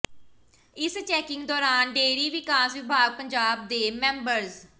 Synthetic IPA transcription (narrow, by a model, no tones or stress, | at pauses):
ɪst͡ʃɛːkɪŋɡd̪ɔːɾaːnɖeːɾiːʋɪkaːsʋɪbʱaːɡ̚pəɲd͡ʒaːb̚d̪eːmɛ̃ːmbəɾz